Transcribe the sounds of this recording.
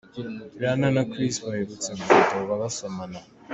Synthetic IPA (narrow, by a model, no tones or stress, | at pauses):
ɾananakɾistβaheβut͡semutoβaβasomana